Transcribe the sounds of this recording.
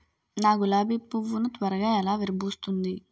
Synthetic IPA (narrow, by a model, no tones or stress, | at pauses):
naːɡulaːbipːuʋːunut̪ʋɐɾɐɡaːɛlaːʋiɾɐbʱuːst̪und̪i